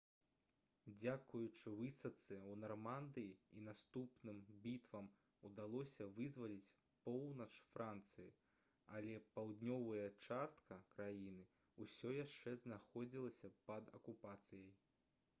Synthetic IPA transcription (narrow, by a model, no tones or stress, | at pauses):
d͡zʲakujut͡ʂɨvɨsɐt̪sɨwnɐrmand̪ɨjiinast̪upnɨmbʲit̪vɐm | ud̪alˠɔsʲɐvɨzvɐlʲit͡sʲ | pɔwnɐt͡ʂfɾant̪sɨji | ɐlʲɛpawd̪ʲnʲɔvɐjɐt͡ʂast̪kʰɐkɾajinɨ | usʲɔjaʂt͡ʂɛznaxɔd͡zʲilˠɐsʲɐpɐd̪ɐ̰kupat̪sɨjɐj